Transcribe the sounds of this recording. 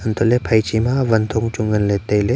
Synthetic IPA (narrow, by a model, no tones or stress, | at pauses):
ənt̪olepʰɐjt͡ʃimãʋɐnt̪ʰuŋt͡ʃʊŋɡənlet̪ele